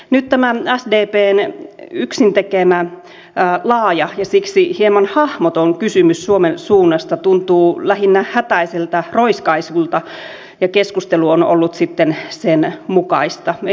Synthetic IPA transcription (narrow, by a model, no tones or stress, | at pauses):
nyt̪t̪æmææsdeːpeːnyksint̪ekemæː | lɑːjɑjɑsiksihiemɑnhɑhmot̪oŋkysymyssuomensuːnːɑst̪ɑt̪unt̪uːlæhinːæhæt̪æiselt̪ɑroiskɑisult̪ɑ | jɑkeskust̪eluono̰lːut̪sit̪ːensenmukɑ̰ist̪ɑ